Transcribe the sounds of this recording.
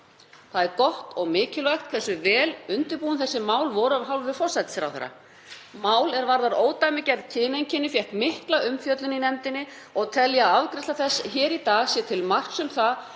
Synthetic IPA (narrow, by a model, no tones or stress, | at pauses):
θaðɛɾkɔht̪ɔɣmɪːcɪlvajxt̪kʰθɛsːʏvɛːlʏnt̪ʏɾpuːʏmθɛsːɪmaːwlvɔɾʏavɦawlvɪ̥fɔr̥sajt̪sɾa̰wθɛ̰ɾːa̰ | maːwlɛɾvaɾðaɾoːwt̪ajmɪcɛɾðc̪ʰɪːnejɲcɪnːɪfjɛhkmɪhklaʏmfjœt̪lɪnːinɛmt̪ɪnːɪ | ɔɣt̪ʰɛljaːavkɾɛst̪aθɛsːçɛːɾit̪aːɣsjɛt̪ʰɪlmar̥ksʏmθa